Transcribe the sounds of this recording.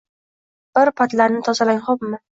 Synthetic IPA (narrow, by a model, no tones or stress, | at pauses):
b̥ɪɾpʰat̪laɾnɪt̪ʰɒzalaŋχopmɪ